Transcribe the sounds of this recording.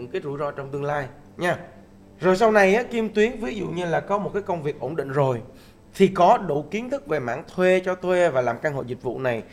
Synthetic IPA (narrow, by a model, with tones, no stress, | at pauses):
ɨ˧˥ŋkaː˨˦jzu˧˩zɔ˧t͡ɕɔ˧wŋ͡mt̪ɨ˧əŋlaː˧j | ɲaː˧ | zo˨˩jsa˧wna˨˩jʔaː˨˦ki˧əmt̪wi˨˦ənvi˨˦zṵ˧˨ɲɨ˧laː˨˩kɔ˨˦mo˨˩t̚kaː˨˦jkə˧wŋ͡mvi˨˩ək̚ʔo˧˩nɗḭ˧˨ŋ̟zo˨˩j | t̪ʰi˨˩kɔ˨˦ɗṵ˧˩ki˨˦ənt̪ʰɨ˦˥k̚ve˨˩ma̰ː˧˥˨ŋt̪ʰwe˧t͡ɕɔ˧t̪ʰwe˧vaː˨˩laː˨˩mkaː˧ŋɦo̰˧˨jzï˨˩k̟̚vṵ˧˨na˨˩j